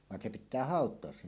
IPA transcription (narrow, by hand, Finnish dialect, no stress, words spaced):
ʋɑn se pitˑæː hɑˑotˑoɑs se